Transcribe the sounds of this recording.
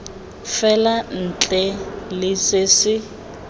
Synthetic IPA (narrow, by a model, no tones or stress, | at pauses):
fɛlan̩t͡ɬʼɛlɪsɪsɪ